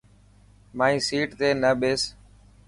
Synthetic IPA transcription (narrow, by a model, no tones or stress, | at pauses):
maːĩːsiːʈt̪eːnəɓeːs